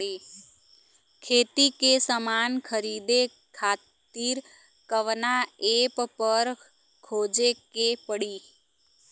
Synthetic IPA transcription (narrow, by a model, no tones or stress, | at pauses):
e | kʰeːt̪ikesəmaːnkʰəɾiːd̪e | kʰaːt̪iːɾ | kəʋnaeːppəɾ | kʰoːd͡ʒekepəɽiː